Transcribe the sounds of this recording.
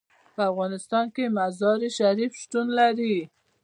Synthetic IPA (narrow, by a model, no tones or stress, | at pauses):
pəafɣɑnɪst̪ɑnkemazɑɾiʃaɾifʃt̪unlaɾi